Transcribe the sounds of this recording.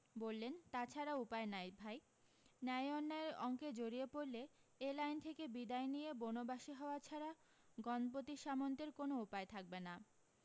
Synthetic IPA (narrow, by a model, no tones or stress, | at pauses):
bolːent̪at͡ɕʰaɾaupaenajbʱaj | nɛjɔnːaeɾɔ̰ŋked͡ʑoɾiepoɾleelajnt̪ʰekebid̪aenijebonobaʃiɦɔoat͡ɕʰaɾa | ɡɔnpot̪iʃamont̪eɾkonoupaet̪ʰak̚bena